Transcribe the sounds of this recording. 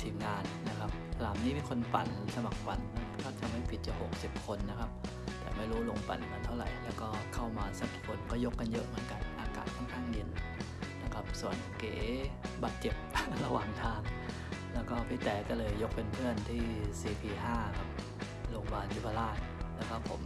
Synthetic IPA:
t̪ʰiː˨˩mŋaː˧nːa˦˥kʰa˦˥p̚ʰlaː˨˦mniː˦˥mi˧kʰo˧npa̰˨˩˦nsa˧ma˨˩k̚fa̰˧˩˦nkɔː˥˩t̪ʰa˧mha˥˩jpʰi˨˩t̪̚t͡ɕa˨˩ho˨˩k̚si˨˩p̚kʰo˧nːa˦˥kʰa˦˥p̚ | t̪ɛ̰ː˨˩ma˥˩jɾuː˦˥lo˧ŋpa̰˨˩˦nkʰa˧nt̪ʰa˥˩ɾa̰˨˩˦jlɛː˦˥wkɔː˥˩kʰa˥˩wmaː˧sa˦˥p̚t̪kʰo˧nkɔː˥˩jo˦˥kːa˧njɤ̰˦˥ʔmɯ˨˩˦ənka˧nʔaː˧ka̰ː˨˩t̪̚kʰɔː˥˩nkʰaː˥˩ŋdi˧n | na˧˥˩kʰa˦˥p̚su˨˩˦ənkeː˨˩˦baː˨˩t̪̚t͡ɕe˨˩p̚la˧waː˨˩ŋt̪ʰaː˧˦ŋ | lɛː˦˥wkɔː˥˩pʰiː˧˥˩t̪ɛː˨˩kɔː˥˩lɤː˧jːo˦˥k̚pe˧npʰɯ˥˩ənt̪ʰiː˥˩siː˧˩pʰiː˧ɦaː˥˩kʰa˧˩p̚ | lo˧ŋbaː˧nt̪ʰiː˥˩pʰaː˧laː˥˩t̪ | lɛː˦˥wkɔː˥˩pʰo˩˦m

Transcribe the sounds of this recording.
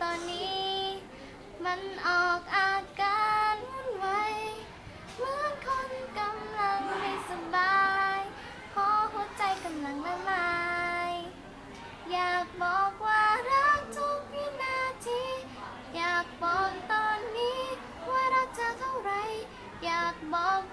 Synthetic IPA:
t̪ɔː˧nːiː˦˥ | ma˧˥˨nʔɔː˨˩k̚ʔaː˧kaː˧nmu˧˥˨nwa˧˥j | mɯː˧˥ənkʰo˧˥nka˧mla˧ŋna˧˩jsa˧mbaː˧j | kʰɔː˧˥ɦo˧˥t̚t͡ɕa˧jka˧mla˧˩ŋna˧˩ŋlaː˧j | jaː˨˩k̚bɔː˨˩k̚waː˧˩ɾaː˧˥k̚to˧˥kmiː˧˥naː˧t̪ʰiː˧˥ | jaː˨˩k̚bɔː˨˩kt̪ɔː˧nːiː˧˥ | waː˧˩ɾaː˧˥k̚t͡ɕa˧t̪ʰa˧wɾa˧˦j | jaː˨˩k̚bɔː˨˩k̚

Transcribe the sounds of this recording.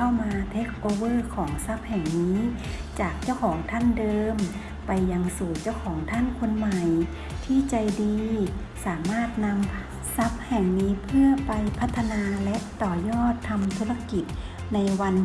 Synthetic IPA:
a˥˩wmaː˧t̪ʰe˦˥k̚ʔoː˧wɤː˥˩kʰɔː˩˦ŋsa˦˥p̚hɛː˨˩ŋniː˦˥t͡ɕaː˨˩k̚t͡ɕa˥˩wkʰɔː˩˦ŋt̪ʰa˥˨ndɤː˧m | pa˨jːa˧ŋsuː˨˩t͡ɕa˥˩wkʰɔː˩˦ŋt̪ʰa˥˨nkʰo˧nma˨˩j | t̪ʰiː˥˩t͡ɕa˧˩jdiː˧ | saː˩˦maː˥˩t̪̚na˧m | sa˦˥p̚hɛ˨˩ŋniː˨˦˥pʰɯ˥˩ɐpa˨˧jpʰa˦˥t̪ʰːa˧naː˧lɛ˦˥ʔt̪ɔː˨˧˩jɔː˥˩t̪ʰːa˧mt̪ʰuː˧˥la˧ki˨˩t̪̚ | na˧jwa˧n

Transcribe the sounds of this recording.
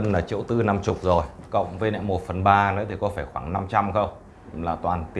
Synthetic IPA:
ə˧nlaː˨˩t͡ɕḭ˧˨əwt̪ɨ˧na˧mt͡ɕʊ˨˩k͡p̚zo˨˩jkə̰˧˨wŋ͡mvəː˨˦nɛ̰˧˨mo˨˩t̚fə˨˩nɓaː˧nɨ̰˧˥t̪ʰi˨˩kɔ˨˦faː˧˩jxwaː˧˩ŋna˧mt͡ɕa˧mxə˧wŋ͡m | laː˨˩t̪waː˨˩nt̪i˧

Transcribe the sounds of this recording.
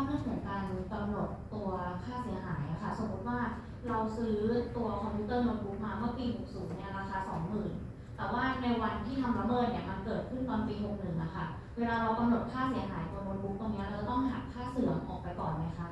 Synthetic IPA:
a˥pɾɯ˥ə˩nkʰɔː˩˦ŋkaː˧nk̪a˧mɾu˨˩ət̪ːu˧ɐkʰaː˥˩si˩˦ɐɦaː˩˦jʔa˨˩kʰa˥˩so˨˩˦ku˦˥t̪̚waː˥˩ | ɾa˧wsɯː˦˥t̪u˧ɐkʰɔ˧mpʰjuː˦˥t̪ɤː˥˩mo˧nbuː˦˥p̚maː˧mɯ˥˩piː˧ɦo˨˩k̚suː˩˦nːi˧˥˩ɐɾa˧xaː˧sɔː˩˦ŋmɯː˨˩n | t̪ɛː˨˩waː˥˩na˧jwa˧nt̪ʰiː˥˩t̪ʰa˧mɾa˦˥mɤː˥˩t̪̚ni˧˩ɐt̪ʰa˧mkɤː˨˩t̪̚kʰɯ˥˩nt̪ɔː˨˩npiː˧ɦo˨˩k̚nɯ˨˩ŋʔa̰˨˩kʰa˥˩ | weː˧laː˧ɾa˧wka˧mno˨˩t̪̚kʰaː˥˩si˨˩˦ɐɦaː˩˦jt̪u˧ɐnoː˧nbu˦˥p̚t̪ɔː˧˩ŋni˦˥ɐɾɤː˧t̪ɔ˥˩ŋɦa˨˩kkʰːaː˥˩sɯ˨˩˦ɐŋʔɔ̰ː˨˩k̚pa˧jkɔː˨˩nma˦˥jkʰa˦˥

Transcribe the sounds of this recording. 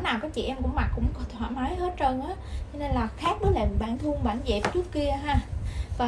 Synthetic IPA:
naː˨˩wkɔː˨˦t͡ɕḭ˧˨ʔɛ˧mkʊ̰˧˥ŋ͡mma˨˩k̚kʊ̰˧˥ŋ͡mkt̪ʰwa̰ː˧˨˩ma˨˦jɦə˦˥t̚t͡ɕəː˧nʔaː˨˦t͡ɕɔ˧ne˧nlaː˨˩xaː˦˥k̚ɓə˨˦jla˨˩˨ɓaː˧˩nt̪ʰɨ˧əŋɓaː˧˩nzɛ˨˩p̚t͡ɕɨ˦˥əkːi˧əɦaː˧vaː˨˩

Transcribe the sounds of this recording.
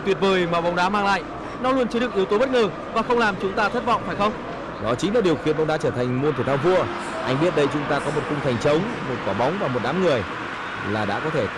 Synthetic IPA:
t̪wi˨˩ət̚vəː˨˩jma˨˩ɓa˨˦wŋ͡mɗaː˨˦maː˧ŋla̰ː˧˨j | nɔ˨˦lu˧ənt͡ɕɨ˨˦ɗɨ˨˩ək̚i˨˦əwt̪o˨˦ɓə˦˥t̚ŋəː˨˩ | vaː˨˩xə˧wŋ͡mlaː˨˩mt͡ɕʊ˨˦ŋ͡mt̪aː˧t̪ʰə˦˥t̚vɔ̰˧˨ŋ͡mfaː˧˩jxə˧wŋ͡m | ɗɔ˨˦t͡ɕï˨˦laː˨˩ɗi˨˩əwxḭ˧˨ənɓa˨˧˦ŋ͡mɗa̰ː˨˦t͡ɕəː˧˩t̪ʰa˨˩jŋ̟mo˧nt̪ʰət̪ʰːvu˧ə | ʔa˧jŋ̟ɓi˦˥ət̚ɗə˧jt͡ɕʊ˨˦ŋ͡mt̪aː˧kɔ˨˦mo˨˩t̚kʊ˧ŋ͡mt̪ʰa˨˩jŋ̟t͡ɕə˨˦wŋ͡m | mo˨˩t̚kaː˧˩ɓa˨˦wŋ͡mvaː˨˩mo˨˩t̚ɗaː˨˦mŋɨ˨˩əj | laː˨˩ɗa̰ː˧˥kɔ˨˦t̪ʰe˧˩

